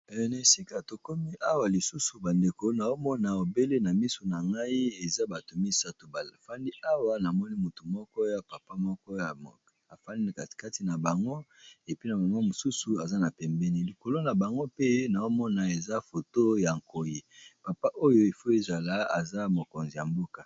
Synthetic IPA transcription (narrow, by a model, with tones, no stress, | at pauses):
na˨si˦ka˨to˨ko˦mi˦ʔa˦wa˨li˨su˦su˨ba˨nde˨ko˨˦na˨o˦mɔ˦na˨o˨be˦le˦na˨mi˦so˨na˨ŋɡa˦i˦e˨za˦ba˨to˨mi˦sa˦to˨ba˨lfa˦ndi˦ʔa˦wa˦na˨mɔ˦ni˦mu˨tu˨mɔ˦kɔ˦ja˨pa˨pa˦mɔ˦kɔ˦ja˨ | a˨fa˦ni˦˨kḁ˨ka˦ti˨na˨ba˨ŋɡo˦e˨pi˦na˨ba˨ŋɡa˦mo˨su˦su˨a˨za˦na˨pɛ˨mbɛ˦ni˨li˨ko˨lo˦na˨ba˨ŋɡo˦pe˦na˨o˦mɔ˦na˨e˨za˦fo˨to˦ja˨ŋko˨ji˨pa˨pa˦ʔo˦jo˦i˨fo˦e˦za˨la˦a̰˨za˦mo˨ko˨nzi˨ja˨mbo˦ka˨